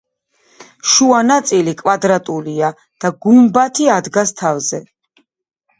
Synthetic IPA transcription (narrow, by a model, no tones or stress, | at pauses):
ʃuanat̪sʼilikʼwad̪ɾat̪ʼulia | d̪̥aɡumbat̪ʰiad̪ɡast̪ʰavzɛ